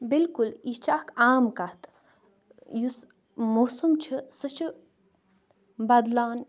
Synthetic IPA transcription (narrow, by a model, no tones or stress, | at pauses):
bilkulit͡ʃakʰaːmkɐht̪ | jus | mosumt͡ʃʰisɨt͡ʃʰi | bɐd̪laːn